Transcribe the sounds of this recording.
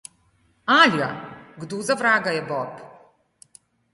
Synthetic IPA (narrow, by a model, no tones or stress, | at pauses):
alaɡd̪uzavɾaːɡajɛbɔp